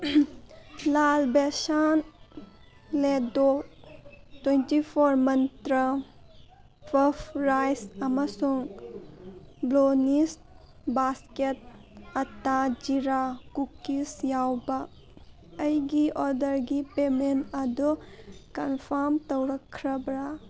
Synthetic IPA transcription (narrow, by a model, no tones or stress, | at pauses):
lalbesan | ledɔ | twentipʰɔɾmɐnt̪ɾə | pʰɐpʰɾajsɐmɐsuŋ | blonist | basket̚ | ɐtad͡ʒiɾakukːisjawba | ɐjɡiʔɔɾdɐɾɡipementɐdukɐnpʰaɾmtɔwɾɐkʰːɾɐbɾa